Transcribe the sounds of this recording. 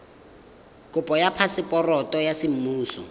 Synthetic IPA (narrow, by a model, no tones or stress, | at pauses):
kʼʊpʼɔjapʰasɪpʼɔrɔtʼɔjasɪm̩muːsɔ̰